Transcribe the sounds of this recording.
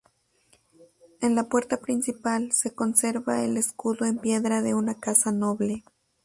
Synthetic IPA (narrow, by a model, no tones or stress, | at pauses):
enlapwe̞ɾt̪apɾinsipalse̞ko̞nse̞ɾβaeleskuðoempje̞ðɾaðe̞unakasanoβle